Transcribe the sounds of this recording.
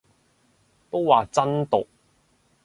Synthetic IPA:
t̪o˥wwaː˨t͡sɐ˥nt̪o̰˨k̚

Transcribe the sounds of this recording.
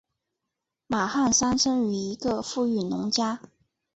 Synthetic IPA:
ma˨˩xa˥˩nsa˥nʂə˥ny˨˩i˧˥ɡə˧fu˥˧y˥˩nʊ˧˥ŋt͡ɕja˥

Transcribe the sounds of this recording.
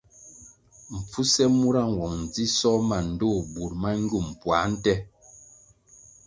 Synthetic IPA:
ɱ̩˨p͡fu˦sɛ˦mu˦ɾa˦ŋ˨wɔ˨ŋn̩˨d͡zi˦sɔ˦ma˨n̩˨do˦˨bu˨ɾma˦ŋ˦ɡu˦˨m̩˨pwa˨˦n̩˦tɛ˦

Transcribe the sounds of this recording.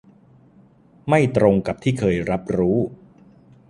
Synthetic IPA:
ma˥˩jt̪ɾo˧ŋka˨˩p̚t̪ʰiː˥˩kʰɤː˧jɾa˦˥p̚ɾuː˦˥

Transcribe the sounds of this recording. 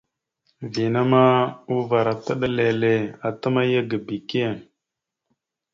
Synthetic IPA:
vi˨na˦ma˦u˦va˨ɾa˨ta˦ɗa˦le˨le˨a˨ta˦ma˦ja˦ɡa˨bi˨ke˦˨

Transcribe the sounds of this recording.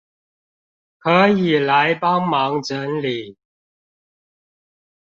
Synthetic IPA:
kʰə˨˦i˨˩la˨˦ɪpɑ˦ŋmɑ˨˦ŋʈ͡ʂə˨˦nli˨˩˦

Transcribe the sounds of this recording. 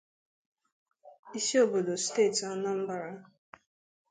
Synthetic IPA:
i˦ʃe˦o˦˨bo˨do˨steː˦˨tɔ˦nã˦m̩˦ba˨ɾa˦

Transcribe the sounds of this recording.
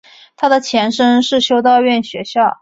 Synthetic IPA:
t̪ʰa˥d̪ə˨t͡ɕʰjɛ˧˥nʂə˥nʂɻ̩˥˩ɕjo˥ʊt̪̬ɑ˥˧ʊɥɛ˥˩nɕɥɛ˧˥ɕjɑ˥˩ʊ

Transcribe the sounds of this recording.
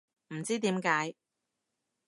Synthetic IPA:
m̩˨˩t͡siː˥t̪iː˨˥mkaː˨˥j

